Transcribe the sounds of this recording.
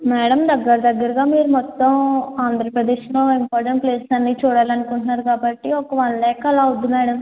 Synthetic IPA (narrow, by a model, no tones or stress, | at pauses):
mɛːɽɐmd̪ɐɡːɐɾɐd̪ɐɡːɐɾɐɡaːmiːɾumɔt̪ːɐmaːnd̪ʱɾɐpɾɐd̪eːʃloːimpaːɾʈɐɳʈpleːssɐnːit͡ʃuːɽaːlɐnukuɳʈunːaːɾukaːbɐʈːiɔkːɐʋɐɭːɛːkɐlaːud̪ːumɛːɽɐm